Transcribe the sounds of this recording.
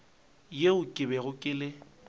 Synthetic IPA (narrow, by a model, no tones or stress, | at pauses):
jeʊkʼɪbɛɣʊkʼɪlɪ